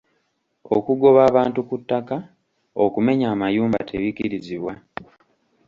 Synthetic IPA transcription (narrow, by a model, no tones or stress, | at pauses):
o̰kuɡo̞βaːβaːntukutːaka | okume̞ɲaːmajuːmba̰tʰeβikiɾiziβwa